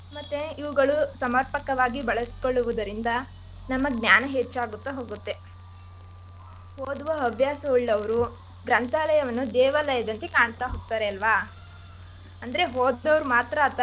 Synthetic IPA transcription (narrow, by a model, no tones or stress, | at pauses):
mɐt̪ːeiʋuɡɐɭusɐmɐɾpɐkɐʋaːɡibɐɭɐskoɭːuʋud̪ɐɾind̪ɐ | nɐmːɐɡnjaːnɐɦet͡ʃːaːɡut̪ːeɦoːɡut̪ːe̞ | hoːd̪uʋɐːbʱjaːsɐuɭːɐʋɐɾu | ɡɾɐnt̪aːlɐjɐʋɐnːud̪ɛːʋɐlɐjɐd̪ɐnt̪ekaːɳt̪aɦoːɡ̚t̪aːɾeɐlʋaː | ɐnd̪ɐɾe̞ɦoːd̪d̪ɐʋɾumaːt̪ɾɐːt̪ːɐ